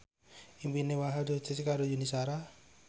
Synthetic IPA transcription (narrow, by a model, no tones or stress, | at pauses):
impinewaɦadotɪskaɾojunisaɾa